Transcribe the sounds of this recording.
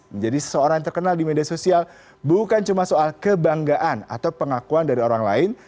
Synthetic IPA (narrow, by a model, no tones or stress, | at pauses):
məɲd͡ʒadisə̥səoɾaŋt̪ərkənaldimediasosial | bukant͡ʃumasoalkəbaŋɡaʔana̰t̪awpəŋakuandaɾioɾaŋla̰ɪn